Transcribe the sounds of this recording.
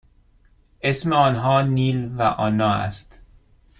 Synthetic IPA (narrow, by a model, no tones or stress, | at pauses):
esmeɒːnɦɒːniːlvæʔɒːnɒːæ̰st̪